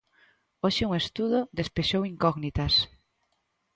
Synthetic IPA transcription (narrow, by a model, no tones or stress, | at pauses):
oʃɪuŋest̪uðoðespeʃowiŋkɔɣnit̪as